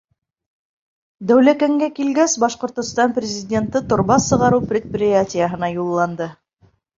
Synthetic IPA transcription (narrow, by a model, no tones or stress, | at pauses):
d̪æwlækæŋɡækilɡæsbɑʃqŏɾt̪ŏst̪ɑnprʲɪzʲɪdʲe̞nt̪ɤt̪ŏɾβɑsɤ̆ʁɑɾɤwprʲɪt̪̚pʲrʲɪatʲɪjəɦɤ̆nɑjulˠːɑnd̪ɤ